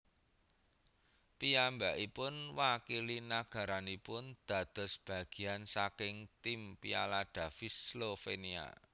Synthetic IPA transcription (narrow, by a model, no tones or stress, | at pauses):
piambaʔipʊnwakilinaɡ̥ä̤ɾanipʊnd̪̥ä̤d̪̥ɔ̤sb̥ä̤ɡ̥i̤ansakɪŋt̪impia̰laɖ̥ä̤fislofenia̰